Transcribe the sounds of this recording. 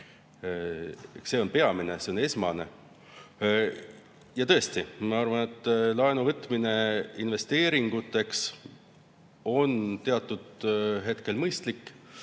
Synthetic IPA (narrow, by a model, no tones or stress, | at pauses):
se̞o̞npe̞ɑminese̞o̞ne̞smɑnḛ | jɑt̪ɤ̞est̪imɑɑrvɑne̞t̪ːˑlɑenuvɤt̪ːˑmine̞inve̞st̪e̞ːɾiŋɡ̥ut̪ːˑe̞ks | o̞nt̪e̞ɑt̪ːˑud̪̥ɦe̞t̪ke̞lmɤjst̪likː